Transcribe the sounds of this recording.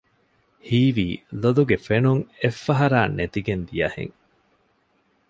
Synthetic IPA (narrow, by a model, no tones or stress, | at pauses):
hiːʋiːlod̪uɡefenuŋefːɐɦɐɾaːnʔet̪iɡend̪ijɐ̰hḛŋ